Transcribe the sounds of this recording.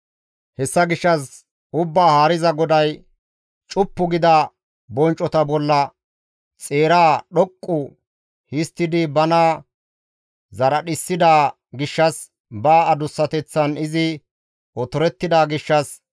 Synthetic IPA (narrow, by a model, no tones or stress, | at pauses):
hɛsːɐɡɪʃːɐs | ʊbːaːhaːɾɪzɐɡɔd̪ɐj | t͡ʃʼʊpːʊɡɪd̪ɐ | bɔnt͡ʃʼɔt̪ɐbɔlːɐ | t͡sʼeːɾaːɗɔkʼːʊ | hɪst̪ːɪd̪ɪbɐnaː | zɐɾɐɗɪsːɪd̪aː | ɡɪʃːɐs | baːɐd̪ʊsːɐt̪ɛt͡sːɐnɪzɪ | ʔɔt̪ɔɾɛt̪ːɪd̪aːɡɪʃːɐs